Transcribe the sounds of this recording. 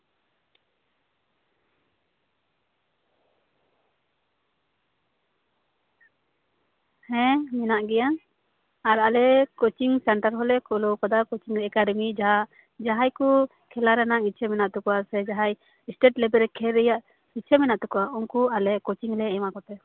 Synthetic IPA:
hɛ̃mɛnaʔɡɛja | aɾalɛkot͡ʃiŋsɛɳʈaɾɦɔlɛkɔlɔkɔd̪akot͡ʃiŋɾɛɛkaɖɛmid͡ʒaɦaʔ | d͡ʒaɦajkɔ | kʰɛlaɾanaŋit͡ʃʰɛmɛnaʔt̪ukɔasɛd͡ʒaɦaj | isʈeʈlɛbɛɾɛkʰɛɾɛjaʔ | hit͡ʃʰɛmɛnaʔt̪ɛkɔaʔɔŋkualɛʔkot͡ʃiŋlɛɛ̃makɔt̪ɛ

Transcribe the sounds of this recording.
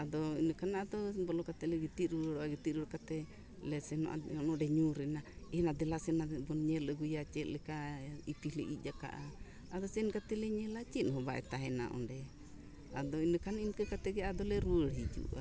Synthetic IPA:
ad̪ɔinɔkanaad̪ɔbɔlɔkat̪ɛlɛɡit̪iɾuɾɔaɡit̪iɾuɾkat̪ɛ | lɛsɛnɔʔa̰ɔnɔɖɛɲuɾɛnaɛnad̪ɛlasɛnabɔnɲɛlɛɡujat͡ʃɛt̪lɛkaipilɛ̰ʔid͡ʒaka̰ʔa | ad̪ɔsɛnkat̪ɛlɛɲɛlat͡ʃinɦɔbaʔɛ̰t̪aɦɛna̰ʔɔ̰ndɛ | ad̪ɔinəkaninkakat̪ɛɡɛad̪ɔlɛɾuəɽhid͡ʒṵʔa̰

